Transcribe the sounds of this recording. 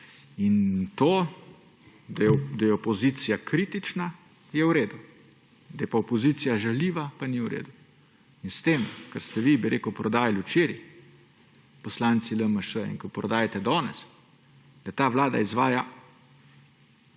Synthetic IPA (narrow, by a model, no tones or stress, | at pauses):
int̪oː | d̪ajɛd̪ajɛɔpɔzit̪sijakɾit̪it͡ʃna | jɛwɾeːd̪u | d̪ajɛpaɔpɔziːt̪sijaʒɛliːʋapaniwɾḛːd̪u | inst̪eːmkə̰ɾst̪ɛʋibiɾʔeːkəwpɾɔd̪aːjalwt͡ʃeːɾji | pɔslant̪siləməʃəḭnkɔpɾɔd̪aːjat̪ɛd̪ɔːnɛ̰s | d̪̥ɐt̪aʋlaːd̪a̰izʋaːja